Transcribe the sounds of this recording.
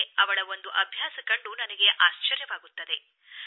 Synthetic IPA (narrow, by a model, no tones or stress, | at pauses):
ɐʋɐɭɐo̞nd̪uʔɐbʱjaːsɐkɐɳɖunɐnɐɡe̞ʔaːʃt͡ʃɐɾjɐʋaːɡut̪ːɐd̪e̞